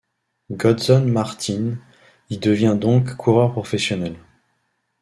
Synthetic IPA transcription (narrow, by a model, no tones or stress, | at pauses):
ɡɔd̪sɔnmaʁt̪ʰin | id̪əvjɛ̃d̪ɔ̃kːʰuʁœʁpχɔfɛsjɔnɛl